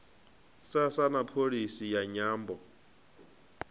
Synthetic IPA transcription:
sasanapʰoɺisijaɲaːmbɔ

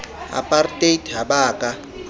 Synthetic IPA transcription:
a̰pʼartʼetʰɦaɓaːkʼa

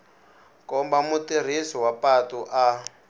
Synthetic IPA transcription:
kɔmbamutir̤isɔwapatuʔa

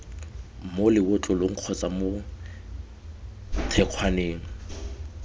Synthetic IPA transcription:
molɪwʊt͡ɬʼʊloŋ̩q͡χʰɔt͡sʼamʊ | tʰɛq͡χʰwaneːŋ̩

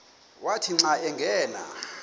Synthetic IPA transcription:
watʰiŋ͡ǀaɛŋɡʱɛːla̰

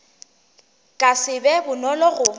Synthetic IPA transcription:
kʼasɪbɛbʊnɔlɔɣʊ

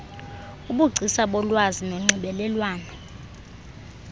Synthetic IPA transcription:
uɓuɡ͡ǀʱisaɓɔlwazinɔŋ͡ǀʱiɓɛlɛlwaːnɔ

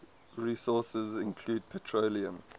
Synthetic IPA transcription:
ɹiːsɔˑsəzɪ̃nkʰl̥uːd̚pʰɛtʰɹoliə̃m

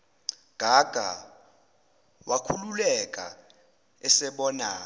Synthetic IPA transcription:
ɡ̥ʱaɡ̥ʱa̰ | wakʰululɛkʼa̰ | ɛsɛɓɔːnaː

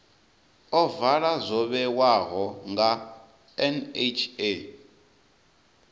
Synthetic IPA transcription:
ɔvaɺazʷɔβɛwaɣɔŋɡa | ɛnet͡ʃʰe

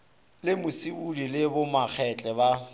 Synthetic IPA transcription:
lɪmʊsiudilɪbʊmak͡xʰɛt͡ɬʼɛba

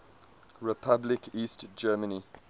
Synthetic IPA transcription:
ɹɛpʰablɪkʰiːstd͡ʒɛːməni

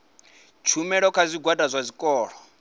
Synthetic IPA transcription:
t͡ʃʰumɛɺɔkʰazʷiɡʱwadʼazʷazʷikʼɔːɺɔ

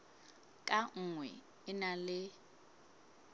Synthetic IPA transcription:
kʼaŋ̩ŋwɛ̰ | ɪnalɪ

